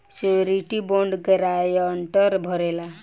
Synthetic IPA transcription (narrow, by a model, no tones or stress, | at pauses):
seɾiʈiboɳɖɡɾajəɳʈəɾbʱɔɾela